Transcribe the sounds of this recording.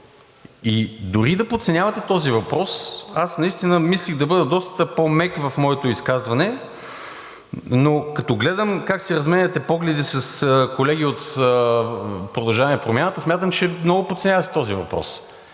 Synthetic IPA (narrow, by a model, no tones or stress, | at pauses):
id̪ʊɾid̪ɐpot̪sɛnʲjavɐt̪ɛt̪ɔzivɐpɾɔsasnɐist̪inəmislixd̪ɐbɤd̪əd̪ɔst̪t̪əpomɛkvɐfmɔɛt̪ʊiskazvɐnɛ | nokɐt̪ɔɡlɛd̪əmkaksiɾɐzmɛnʲɐt̪ɛpɔɡlɛd̪isɐskolɛɡ̟iot̪ə | pɾod̪ɐlˠʒavɐniɐpɾomjanət̪əsmʲat̪əmt͡ʃɛmnɔɡʊpot̪t̪sɛnʲjavɐt̪ɛ̥t̪ɔzivɐ̰pɾɔ̰s